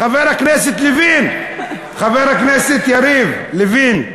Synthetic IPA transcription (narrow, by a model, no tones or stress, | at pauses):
xaveɾakneset̪levin | χaveɾaknɛset̪jaɾivlevin